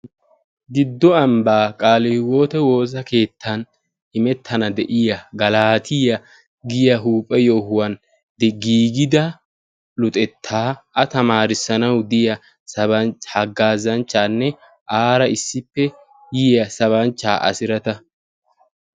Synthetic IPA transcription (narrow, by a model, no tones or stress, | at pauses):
ɡɪd̪ːɔɐmbaːkʼaːlɪwo̞ːt̪ɛwo̞ːs̬ɐke̞ːt̪ːɐn | ɪmɛt̪ʰːɐnɐd̪ɛʔɪjɐɡɐlaːt̪ʰɪjɐ | ɡɪjɐɦuːpʼːɛjo̞ːhʊwɐn | d̪ɛɡiːɡɪd̪ɐ | lʊt̪ʼɛt̪ʰːaːʔɐt̪ɐmaːɾɪsɐnɐwd̪ɪjɐ | sɐbɐhɐɡːaːzɐnt͡ʃːaːnːɛ | ʔaːɾɐɪsːɪpːɛ | jɪjɐsɐβɐnt͡ʃːaːʔɐ̰sɪɾɐt̪ɐ